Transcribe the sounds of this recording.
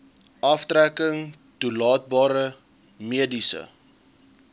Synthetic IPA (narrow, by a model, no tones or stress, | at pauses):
ʔɐftɾækəŋ | tulɑːt̚bɑːɾə | miədisə̰